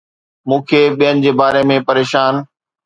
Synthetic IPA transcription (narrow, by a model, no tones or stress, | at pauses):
mũːkʰeːɓijənɪ̆d͡ʑeːbaːɾemẽpɐɾeːʃaːn